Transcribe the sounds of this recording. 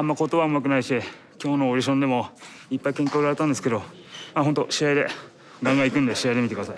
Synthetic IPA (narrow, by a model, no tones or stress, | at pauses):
amːakot̪oβaɯmak̬ɯ̟naiɕi | kʲo̞ːno̞ːɾiɕ̬õnd̪e̞mo̞ | ipːaikẽŋkoːɾaɾe̞t̪ãnd̪esɨ̥ke̞d̪o̞ | maɦont̪o̞ɕiaid̪e̞̰ | ɡãŋɡãikɯ̟̃nd̪e̞ɕiaid̪e̞mit̪ekd̪asai